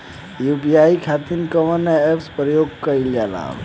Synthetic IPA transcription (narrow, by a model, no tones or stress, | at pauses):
jubijaikʰat̪inkəmənaepspɾəjoɡ̚kəild͡ʒala̰